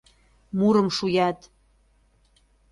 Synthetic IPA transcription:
muɾə̆mʃujɑt̪

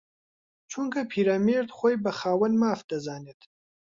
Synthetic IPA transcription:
t͡ʃʰuŋkʰɐpʰiːɾaːmeɾt̪xoːjbɐxaːwɐnmaːfd̪̥ɐzaːnet̪

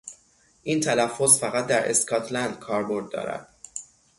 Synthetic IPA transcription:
ʔiːnt̪ʰælæfːo̞sfæɣæt̪̚d̪æɾʔḛskʰɒːt̪ʰlænd̪kʰɒːɾbo̞ɾd̪̚ːɒ̰ːɾæ̰d̪̥

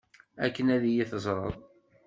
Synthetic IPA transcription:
ækːənæðijiθəzˤɾˤɑ̰ðˤ

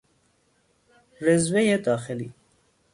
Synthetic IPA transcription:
ɾɪzwejed̪ɑːxɪli

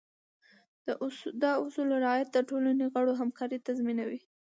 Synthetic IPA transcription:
d̪̥əʔd̪ɑʊsulɾɑjat̪̚d̪əʈolaneɣaɽoɦamkɑɾit̪azminawi

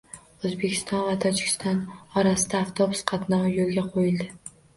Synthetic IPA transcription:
ɵzbekʲʰɪ̥st̪ɒnvat̪ʰɒd͡ʒɪkʲɪ̥st̪ɒnɒɾasɪd̪aːft̪ʰo̞bʊsqʰɑt̪nɒwjolˠɡʲaqʰojɪld̪ɪ

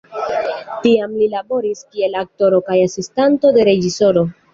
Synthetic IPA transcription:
tiamlilabo̞ɾiskie̞lak̚to̞ɾo̞kajasistanto̞de̞ɾe̞d͡ʒiso̞ɾo̞

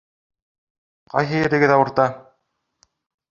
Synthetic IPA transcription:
qɑ̰jɦɤ̆jɘ̆ɾɘ̆ɡɘðɑwɤ̆ɾt̪ɑ

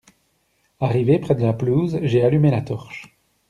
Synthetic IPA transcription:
aʁivepχɛd̪əlapluzʒealymelat̪ɔʁʃ

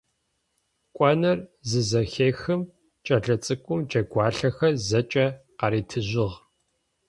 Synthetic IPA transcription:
kʷʼɔnɐrzɨzɐxeːxɨm | t͡ʃʼɐɮɐt͡sʼɨkʷʼʊmd͡ʒʼɐɡʷɑːɬɐxɐzɐt͡ʃʼɐqɑɾiːtʰɨʑɪʁ

